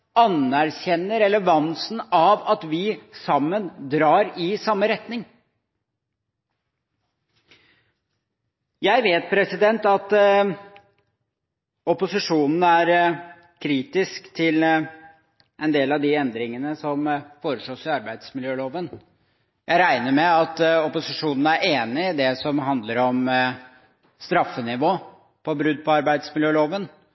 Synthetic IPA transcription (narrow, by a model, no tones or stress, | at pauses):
ɑnæɾçɛnːəɾɛləʋɑnsn̩ɑʋɑt̪ʋɪsɑmːənd̪ɾɑːɾɪsɑmːəɾɛt̪nɪŋ | jæɪʋeːt̪̚pʰɾɛsɪd̪ɛnt̪ɑt̪ | ɔpʊsɪʂuːnn̩æɾ | kʰɾiːt̪ɪskt̪ʰɪl | ʔɛnd̪eːlɑd̪ɪɛnd̪ɾɪŋənəsɔmfoːɾəʂoːsɪɑɾbæɪd̪smɪljøːloːʋən | jæɪɾæɪnəɾmɛɑt̪ɔpʊsɪʂuːnn̩æɾeːnɪd̪ɛsɔmɦɑnd̪ləɾɔm | st̪ɾɑfːənɪʋoː | pʰɔbɾʉd̪̚pʰɔɑɾbæɪd̪smɪljøːloːʋən